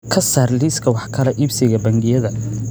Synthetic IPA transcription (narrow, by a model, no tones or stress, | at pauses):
kʰɐsaːrliːskʰɐwɑħkʰɐlɛʔibsɪɣɐbɐŋɡɪjɐðɐ